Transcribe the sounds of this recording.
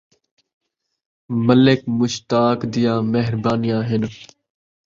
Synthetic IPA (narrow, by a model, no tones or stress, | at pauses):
məlɪkmʊʃt̪aːkd̪ɪjãːmeɦɾbaːnɪjãːɦɪn